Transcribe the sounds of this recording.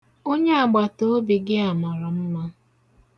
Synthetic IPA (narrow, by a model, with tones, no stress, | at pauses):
o˦ɲe˦a˨ɡ͡ba˨to˦bi˨ɡɪ˦a˨mɔ˨ɾɔ˨m̩˦ma˦